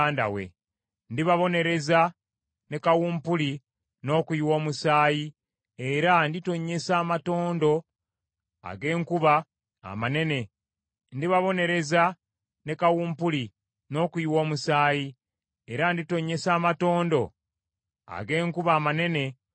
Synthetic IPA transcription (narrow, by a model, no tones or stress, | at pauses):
aːnda̰we̞̰ | ndiβaβo̞ne̞ɾe̞za | ne̞kawuːmpuli | no̞ːkuiwo̞ːmusaːji | eɾandito̞ɲːe̞saːmato̞ːndo̞ | a̰ɡe̞ːŋkuβa̰ː | mane̞ne̞ | ndiβaβo̞ne̞ɾe̞za | ne̞kawuːmpuli | no̞ːkuiwo̞ːmusaːji | eɾandito̞ɲːe̞saːmato̞ːndo̞ | a̰ɡe̞ːŋkuβaːmane̞ne̞